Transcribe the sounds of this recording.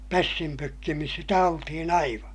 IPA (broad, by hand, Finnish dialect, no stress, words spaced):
pæsːim pøkːimis sitæ oltihin ɑiʋɑ